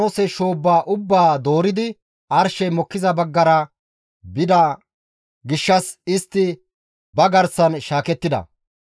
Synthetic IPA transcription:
osɛʃoːbːaːʔʊbːaːd̪o̞ːɾɪd̪ɪ | ɐɾʃɛjmɔkːɪzɐbɐɡːɐɾɐ | bɪd̪ɐ | ɡɪʃːɐsɪst̪ːɪ | bɐɡɐɾsɐnʃaːkɛt̪ːɪd̪ɐ̰

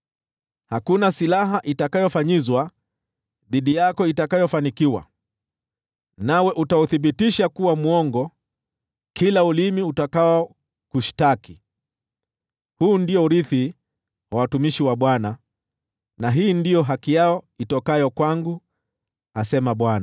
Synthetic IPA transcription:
hakunasilaɦaʔitakajɔfaɲizwa | ðiɗijakɔitakajɔfanikiwa̰ | nawɛʔutauθiɓitiʃakuwamuɔŋɡɔ | kilaulimiutakawɔ | kuʃi̥taki | huːndiɔuɾiθi | wawatumiʃiwaɓwana | naɦiːndijɔɦakijaɔitɔkajɔkwaŋɡu | asɛmaɓwana

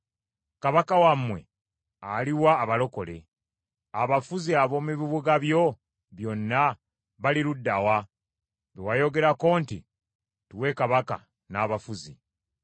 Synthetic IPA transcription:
kaβakawamːwe̞ | aliwaːβalo̞ko̞le̞̰ | aβafuziaβo̞ːmiβiβuɡaβjo̞ | βjo̞nːa | βaliɾudːawa | βewajo̞ɡe̞ɾako̞ːntḭ | tuwe̞kaβaka̰ | naːβafuzḭ

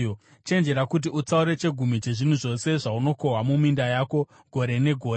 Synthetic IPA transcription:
t͡ʃe̞nd͡ʒe̞ɾakut̬iut͡sauɾe̞t͡ʃe̞ɡʱumit͡ʃe̞ʐin̤uʐo̞se̞ʐauno̞ko̞ɦwamumindajaːko̞ | ɡʱo̞ɾe̞ne̞ɡʱo̞ːe

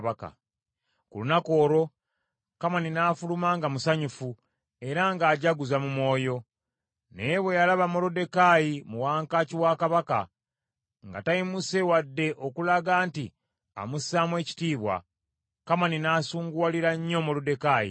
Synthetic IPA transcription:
βaka̰ | kulunako̞ːɾo̞ | kamaninaːfulumaŋɡamusaɲufu | e̞ɾaŋɡaːɟaɡuzamumo̞ːjo̞ | neβwe̞jalaβamo̞lode̞kajimuwaːŋkaciwakaβaka̰ | ŋɡa̰tajimuse̞wadːe̞ʔo̞kulaɡaːnti | a̰musaːmwe̞ːci̥tiːβwa̰ | kamaninaːsuːŋɡualiɾaɲːo̞molode̞kajḭ

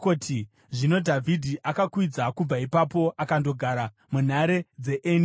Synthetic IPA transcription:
kotʰi | ʐino̞dʱavʱidʱiʔakakwid͡zakub͡vaipapo̞ʔakando̞ɡʱaɾa | mun̤aɾe̞d͡ze̞ʔeni

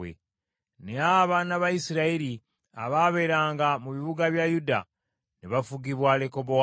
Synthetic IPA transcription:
ḛ | neaβanaβaisiɾaiɾi | a̰βaβe̞ɾaːŋɡamuβiβuɡaβjajuda̰ | neβafuɡiβwaːleko̞bo

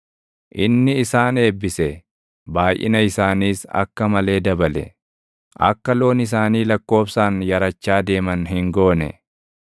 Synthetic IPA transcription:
ʔɪnːɪːsaːne̞ːbːɪsɛ | baːjʔɪ̰nɐɪsaːniːsɐ̰kːɐmɐle̞ːd̪ɐbɐlɛ̰ | ʔɐ̰kːɐlo̞ːnɪs̬aːniːlɐkːo̞ːfsaːnjɐɾɐt͡ʃːaːd̪e̞ːmɐnɦɪŋɡo̞ːnɛ̰

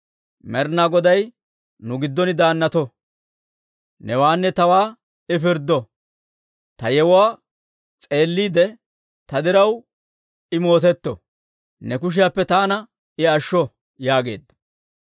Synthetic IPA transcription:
mɛɾnaɡɔd̪ɐj | nʊɡɪd̪ːɔnɪd̪aːnːɐt̪ɔ | nɛwaːnːɛt̪ɐwaː | ɪfɪɾd̪ɔ | t̪ɐjɛwʊwaː | t͡sʼe̞ːlːiːd̪ɛ | t̪ɐd̪ɪɾɐw | ɪmo̞ːt̪ɛt̪ːɔ̰ | nɛkʊʃ̬ɪjapːɛt̪aːnɐ | ɪɐʃːɔ | jaːɡe̞̰ːd̪ːɐ̥

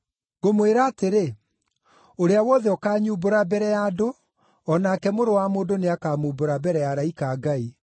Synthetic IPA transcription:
ɡomweɾaːteɾe | oɾeawɔðɛɔkaːɲuːboɾabɛɾɛjaːdo | ɔnaːkɛmoɾowamoːndoneakaːmuboɾabɛɾɛjaɾaikaːɡai

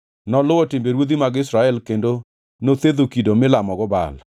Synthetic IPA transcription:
nɔlʊɔtɪmbeɾwod̪imaɡɪsɾaɛlkendo | not̪ed̪okidomɪlamɔɡɔba̰l

